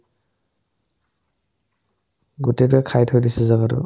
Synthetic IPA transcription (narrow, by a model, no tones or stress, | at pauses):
ɡutebakʰajtʰojdisɛzaɡaɾɔ̰